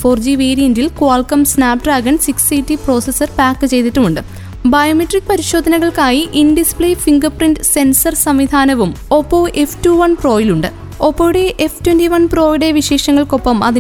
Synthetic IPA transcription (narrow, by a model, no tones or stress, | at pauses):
fo̞ːrd͡ʑiʋeːɾijɐndilkuaːlkɐmsnaːp̚ʈraːɡɐɳsiksitːipro̞ːsesɐrpaːkːɨt͡ɕe̞jt̪itːumuɳɖɨ | bɐjɐmetːrik̚ːɨpɐɾiɕo̞ːd̪ʱɐnɐɣɐɭkaːjiʔindispɭejfiŋɡɐrprindɨse̞nsɐrsɐmʋid̪ʱaːnɐʋumo̞pːoːʔeftuːʋɐnproːjiluɳɖɨ | o̞pːoʋɽeʔeftwentiʋɐnpro̞ːjiɽe̞ʋiɕe̞ːʂɐŋːɐɭko̞pːɐmɐði